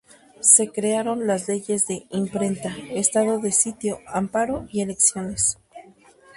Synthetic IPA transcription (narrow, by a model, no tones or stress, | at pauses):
se̞kɾe̞aɾo̞nlazle̞ʝe̞zðe̞impɾe̞nt̪aest̪aðo̞ðe̞sit̪jo̞ampaɾo̞ie̞le̞ksjo̞ne̞s